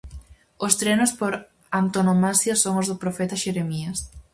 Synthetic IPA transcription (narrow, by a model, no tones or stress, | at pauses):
ost̪ɾenʊspoɾ | ant̪onomasjasoŋozðʊpɾofɛt̪aʃeɾemiɐs